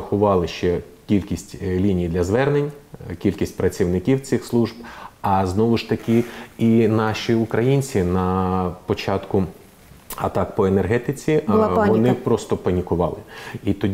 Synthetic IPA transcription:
ɐxʊʋɑlˠɪʃt͡ʃɛkʲilʲkʲisʲtʲlʲinʲijd̪lʲɐzʋɛrnenʲkʲilʲkʲisʲt̚ʲpɾɐt͡sʲiwnɪkʲiwt͡s̪ɪxslˠuʒbɑznɔʋʊʃt̪ɐkʲɪinɑʃʲiʊkɾɐjinʲt͡sʲinɐpɔt͡ʃɑt̪kʊ | ɐt̪ɑkpɔenerɦɛt̪ɪt͡sʲiʋɔnɪpɾɔst̪ɔpɐnʲikʊʋɑlˠɪit̪ɔ

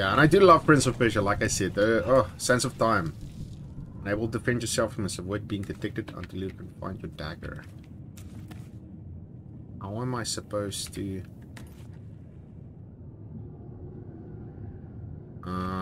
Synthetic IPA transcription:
jæə̃naɪdəlʌv̥pʰɹ̥ɪ̃nsəfɪʃəllaɪkaɪsɛdðəosɛ̃nsɔv̥tʰãɪ̃m | ə̃neɪwəl̩ˠdəfɛ̃ndjəsɛlˠfɹə̃məsəvwət̚biɪ̃ŋdɨtʰɪk̚tədə̰̃ntʰɪlˠjʉkʰə̃nfã̰ɪ̃ndjədæɡə̰˞ | haʊə̃maɪsəpʰoʊz̥tʰu | ʔʌ

